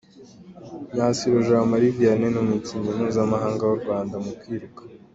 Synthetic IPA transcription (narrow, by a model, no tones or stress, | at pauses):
ɲasiɾoʒamaɾivijanenumuciɲɡem̥huːzamaɦaːŋɡawuɾɡwaːndamukiːɾukḁ